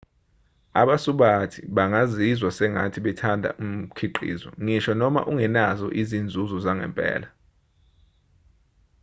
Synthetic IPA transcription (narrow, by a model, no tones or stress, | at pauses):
a̰ɓasuɓatʰiɓaŋazizwasɛŋa̰tʰiɓɛtʰandʱa̰ʔum̩kʰiǃḭːzɔ̰ŋiʃɔnɔma̰ʔuŋɛnazɔ̰ʔizind͡zʱuzɔzaŋɛ̰mpʼɛ̰ːla